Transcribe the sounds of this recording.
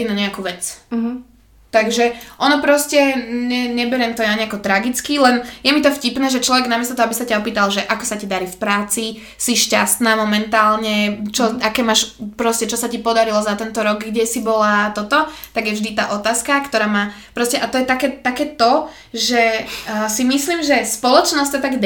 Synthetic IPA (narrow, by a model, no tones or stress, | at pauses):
inaɲɛakuːʋɛt͡s | t̪aɡʒɛʔɔnɔpɾɔscɛɲɛɲɛbɛɾɛmt̪ɔjaɲɛakɔt̪ɾaɡit͡skilɛnjɛmit̪ɔfcipnɛːʒɛt͡ʃlɔʋɛɡnamɪɛst̪ɔt̪ɔɦɔabisacaɔpiːt̪alʒɛʔakɔ̥sacid̪aɾifpɾaːt͡si | siʃcast̪naːmɔmɛnt̪aːlɲɛt͡ʃɔakɛːmaːʃpɾɔscɛt͡ʃɔsacipɔd̪aɾilɔzat̪ɛnt̪ɔɾɔɡɡɟɛsibɔlat̪ɔt̪ɔt̪aɡjɛvʒd̪it̪aːʔɔt̪aːskakt̪ɔɾaːmaː | pɾɔscɛʔat̪ɔjɛt̪akɛːt̪akɛːt̪ɔ | ʒɛsimisliːmʒɛspɔlɔt͡ʃnɔscʲsɔt̪aɡ